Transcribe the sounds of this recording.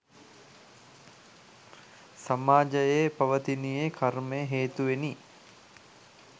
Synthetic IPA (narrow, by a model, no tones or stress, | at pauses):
samaːd͡ʒəjepɐʋət̪inijekʰaɾmejɦeːt̪uʋeni